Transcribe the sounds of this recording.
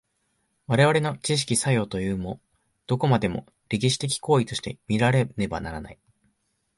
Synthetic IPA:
βaɾe̞βaɾe̞no̞t͡ɕiɕ̬i̥kʲisajo̞ːt̪o̞jɯ̟ːmo̞ | d̪̥o̞ko̞mad̪e̞mo̞̰ | ɾʲek̬ʲiɕi̥t̪e̞k̬ʲi̥ko̞ːit̪o̞ɕi̥t̪e̞̰mʲiɾaɾe̞ne̞ba̰naɾana̰i

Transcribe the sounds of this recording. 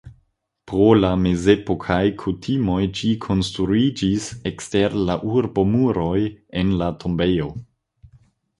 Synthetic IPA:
pɾolame̞zepo̞kʰajkʰutʰimo̞jd͡ʒikʰo̞nstɾuid͡ʒisekste̞ɾlaʔuɾbo̞muɾo̞je̞nlatʰo̞mbejo̞

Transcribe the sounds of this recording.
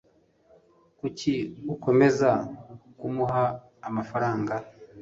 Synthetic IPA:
kuciuko̞me̞zakumuɦaː | mafaɾaːŋɡa

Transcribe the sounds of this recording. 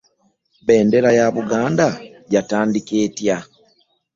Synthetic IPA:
βe̞ːnde̞ɾajaβuɡaːndaɟataːndikeːtja

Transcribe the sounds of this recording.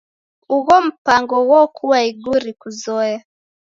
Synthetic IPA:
uɣɔm̩paŋɡɔɣɔkʰuwaiɡuɾikuzɔja

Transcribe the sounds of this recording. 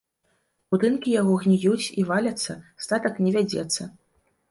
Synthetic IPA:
bud̪ɨnkʲijaɣɔɣnʲijut͡sʲivalʲɐt̪sːɐst̪at̪ɐknʲɛvʲad͡zʲɛ̰t̪sːɐ

